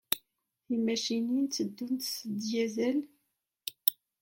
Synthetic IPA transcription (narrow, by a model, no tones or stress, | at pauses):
imæʃinint͡sːəd̪ːunt̪səd̪jæzæl